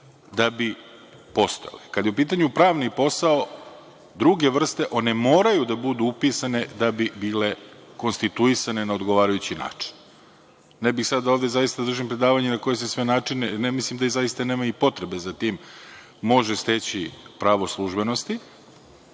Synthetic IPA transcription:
d̪abi | po̞st̪ojḛlekad̪jeupiːt̪̬aɲupɾaːʋnipo̞sao̞ | d̪ɾuɡe̞ʋr̩st̪e̞ʔo̞ne̞mo̞ːɾajud̪abud̪uupisane̞d̪abibiːle̞ | ko̞nst̪it̪uisane̞nao̞d̪ɡoʋaːɾajut͡ɕina̰ːt͡ʂi̥nː | ebixsad̪ːaoːvd̪e̞zajist̪ad̪r̩ʒimpɾe̞d̪aːʋaɲenako̞jesesʋenaːt͡ʂinenemislimd̪aizajist̪anemajipo̞t̪ɾe̞be̞zat̪iːmː | o̞ʒest̪et͡ɕipɾaʋo̞slˠuʒbe̞no̞st̪i

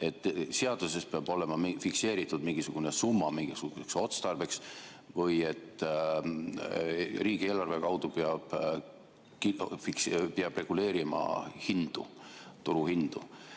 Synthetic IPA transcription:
e̞t̪ːˑseɑd̪̥use̞speɑbo̞le̞mɑfikse̞ːɾit̪ːˑud̪miŋɡisuɡ̥unesumːɑmiŋɡ̥isuɡ̥use̞kso̞t̪st̪ɑrbe̞ks | vɤje̞t̪ː | riːɡ̥ieːlɑrve̞kɑwd̪̥upeɑb̥ | kifikspeɑb̥re̞ɡ̥ule̞ːɾimɑ̰hind̪̥ṵt̪uɾuhind̪̥u

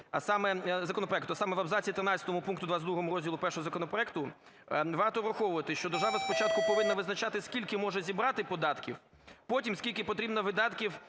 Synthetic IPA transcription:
ɐsɑmɛzɐkɔnɔpɾɔɛkt̪ʊɐsɑmɛʋɐbzɑt͡sʲiːt̪ɾɪnɑtt͡sʲɐ̥t̪ɔmʊpunkt̪ʊd̪ʋazd̪ɾuɦɔmʊɾɔzʲdʲilˠʊpɛrʃɔɦɔzɐkɔnɔpɾɔɛkt̪ʊ | ʋɑrt̪ɔʋɾɐxɔʋʊʋɐt̪ɪʃt͡ʃɔd̪ɔrʒɑʋɐspɔt͡ʃɑt̪kʊpkɔʋɪnːɐʋɪznɐt͡ʃat̪ɪskʲilʲkɪmɔʒɛzʲibɾɑt̪ɪpɔd̪ɑt̪kʲiw | pɔtʲimskʲilʲkɪpɔt̪ɾʲibnɐʋɪd̪ɑt̪kʲiw

